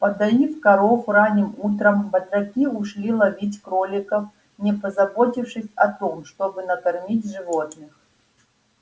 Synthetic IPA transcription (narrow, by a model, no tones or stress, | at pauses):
pɐd̪ɐjifkɐɾofɾanʲɪmut̪ɾəmbɐt̪ɾɐkʲiʊʂlʲilˠɐvʲitʲkɾolʲɪkəf | nʲɪpəzɐbotʲɪfʂɨsʲɐt̪omʂt̪obɨnɐkɐrmʲitʲʐɨvo̞t̪nɨx